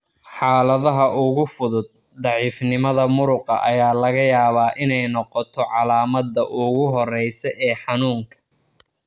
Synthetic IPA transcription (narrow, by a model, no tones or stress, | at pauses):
ħɑːlɐðɐɦɐʔʊɣʊfʊðʊd̪̚ːɑʕiːfnɪmɐðɐmʊɾʊqɐ̰ʔɐjaːlɐɣɐjaːβaːʔɪnɛjnɔqɔt̪ʰɔʕɑlaːmɐd̪ɐʔʊɣʊɦɔrɛjsɛʔɛːħɑnuːŋkʰɐ̥